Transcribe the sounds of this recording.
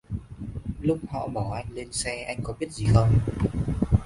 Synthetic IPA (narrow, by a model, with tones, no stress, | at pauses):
lʊ˦˥k͡p̚hɔ̰˧˨ɓɔ˧˩ʔa˧jŋ̟le˧nsɛ˧ʔa˧jŋ̟kɔ˨˦ɓi˦˥ət̚zi˨˩xə˧wŋ͡m